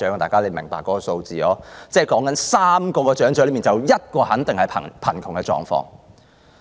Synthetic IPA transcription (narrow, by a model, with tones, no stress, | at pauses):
œː˨˥˨t̪aː˨˩kaː˥le˨˧mɪ˨˩ŋpa̰ː˨˩kːɔː˨˥kɔː˧so˧wt͡siː˨lɔː˨˥t͡sɛː˧˩kɔː˨˥ŋkɐ˨˥nsaː˥mkɔː˧kɔː˧t͡ʃœː˨˥ŋœː˨˥le˨˧˥miː˨nt͡sɐ˨wjɐ˥t̚kɔː˧hɐ˨˥nt̪ɪ˨ŋhɐ˨jpʰɐ̰˨˩pʰɐ˨˩nkʰʊ˨˩ŋkɛ˧t͡ʃɔ̰ː˨ŋfɔ̰ː˧ŋ